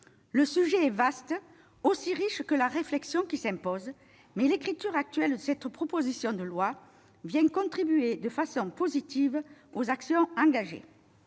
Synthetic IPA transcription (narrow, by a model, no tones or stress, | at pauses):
ləsyʒeɛvast̪ | osiʁiʃkəlaʁeflɛksjɔ̃kisɛ̃mpɔz | mɛlekχit̪yʁak̚t̪ɥɛld̪əsɛt̪pχɔpozisjɔ̃d̪əlwa | vjɛ̃kɔ̃t̪χibyed̪əfasɔ̃pozit̪ivozaksjɔ̃ɑ̃ŋɡaʒḛ